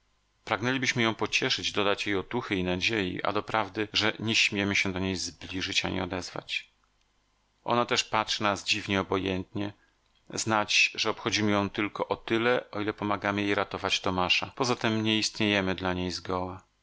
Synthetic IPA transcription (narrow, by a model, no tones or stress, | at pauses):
pɾaɡnɛlʲibɘɕmɘjɔ̃w̃pɔt͡ɕɛʂɘd͡ʑd̪ɔd̪at͡ɕjejɔt̪uxɘinad͡ʑejḭʔa̰d̪ɔpɾavd̪ɘʐɛɲɛɕmʲjɛmɘɕɛd̪ɔɲejzblʲiʐɘt͡ɕaɲḭɔ̰d̪ɛzva̰t͡ɕ | ʔɔ̰nat̪ɛʂpatʂɘnazd͡ʑivɲɛɔbɔjɛnt̪ɲɛ | znat͡ɕʐɛɔpxɔd͡ʑimɘjɔ̃w̃t̪ɘlkɔʔɔt̪ɘlɛʔɔilɛpɔmaɡamɘjejɾat̪ɔvat͡ɕt̪ɔmaʂapɔzat̪ɛmɲɛist̪ɲejɛmɘd̪laɲejzɡɔwa